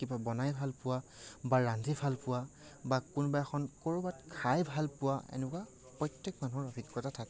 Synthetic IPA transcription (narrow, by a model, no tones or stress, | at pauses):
kibabɔnajbʱalpʊwabaɹandʱibʰʱalpʊwa | bakunbaɛxɔnkoɹubatkʰajbʱalpʊwaḛnɛkwa | pɹɔjtːjɛk̚manuʊɹɔbʱikːɔtatʰakɛ